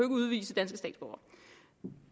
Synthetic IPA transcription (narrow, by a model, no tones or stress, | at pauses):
øɡ̥əuð̞ˠʋḭːsəd̥ænsɡ̥əsdɛ̰ːd̥sb̥ɒʊɐ